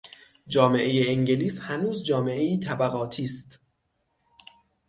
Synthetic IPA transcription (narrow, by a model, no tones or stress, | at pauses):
d͡ʒɒːme̞ʔe̞jeeŋɟeliːshænuːzd͡ʒɒːmeʔe̞iːt̪ʰæbæɣɒːt̪ʰiːst̪